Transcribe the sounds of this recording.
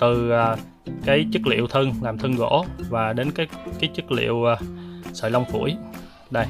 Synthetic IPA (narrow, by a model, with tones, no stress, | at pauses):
t̪ɨ˨˩aː˨˩ | kaː˨˦jt͡ɕɨ˦˥k̚lḭ˧˨əwt̪ʰə˧ŋlaː˨˩mt̪ʰə˧ŋɣo̰˧˥vaː˨˩ɗe˨˦nkaː˨˦jkaː˨˦jt͡ɕɨ˦˥k̚lḭ˧˨əwsə̰ː˧˨˩la˧wŋ͡mfṵ˧˩əj | ɗə˧˩j